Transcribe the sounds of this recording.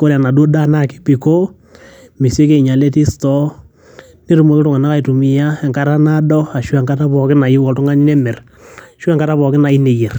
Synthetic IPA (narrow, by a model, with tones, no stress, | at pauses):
ko˦ɾa˨na˨dwo˦da˦na˦˨kɪ̥˦pi˨ko˦ | mi˨se˦ke˦˨i˨ɲa˨le˦ti˦stɔ˦ | ne˦ɾu˦˨mo˨kɪ˦tʊ˦ŋa˨na˦ka˦˨i˨tu˨mi˨ja˦ɛ˨ŋka˨ɾa˦na˦dɔ˦a˨ʃwɛ˨ŋka˦ta˦pɔ˨kɪ˦na˨i˦wɔ˨tʊ˦ŋa˦n˦nɛ˦mɛ˨r | ʃwɛ˦ŋka˦ta˦βɔ˨kɪ˦na˨i˦ne˨je˨r